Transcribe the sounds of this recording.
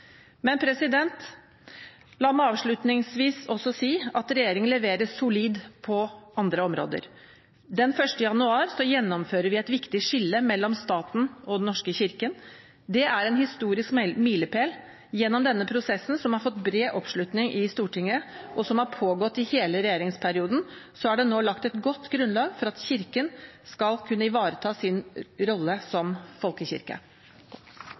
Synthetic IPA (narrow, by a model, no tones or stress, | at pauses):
mɛnpʰɾɛsɪd̪ɛnt̪ | lɑːmɛɑːʋʂɭʉt̪nɪŋsʋiːsɔsɔsiːɑt̪ɾɛjeːɾɪŋənlɛʋeːɾəsʊliːd̪pʰɔɑnd̪ɾəɔmɾo̰ːd̪ə̰ɾ | d̪ɛnfœʂʈəjɑnʉɑːɾsɔjɛnːɔmføːɾəɾʋɪæɪt̪ʋɪkt̪ɪʂɪlːəmɛlːɔmst̪ɑːt̪n̩ɔd̪ɛnɔʂkəçɪɾkən | d̪ɛʔæɾɛnhɪst̪uːɾɪskmiːləpʰeːl | jɛnːɔmd̪ɛnːəpʰɾʊsɛsːn̩sɔmhɑɾfɔt̪ːbɾeːʔɔpʂlʉt̪nɪŋʔɪst̪uːʈʰɪŋːəʔɔsɔmhɑɾpʰoːɡɔt̪ːɪheːləɾɛjeːɾɪŋspʰæɾɪuːd̪n̩sɔhɑɖɛnoːlɑkt̪ɛt̪ɡɔt̪ːɡɾʉnlɑːɡfɔɾɑt̪çɪɾkənskɑlkʰʉnːəɪʋɑːɾət̪ʰɑːsɪnɾɔlːəsɔmfɔlkəçɪ̰ɾkə̰